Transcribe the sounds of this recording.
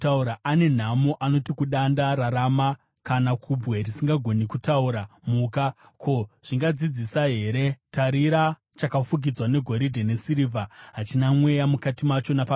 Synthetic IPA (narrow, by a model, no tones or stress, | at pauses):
tauɾaʔane̞n̤amoʔano̞tikuɗandaɾaɾama | kanakʰubwe̞risiŋɡaɡʱo̞nikutauɾamuːka | ko̞ʐ̥iŋɡad͡zid͡zisaɦe̞ɾe̞taɾiɾa | t͡ʃakafuɡid͡zwane̞ɡʱo̞ɾidʱe̞ne̞siɾivʱaɦat͡ʃinamwe̞jamukatimat͡ʃo̞napa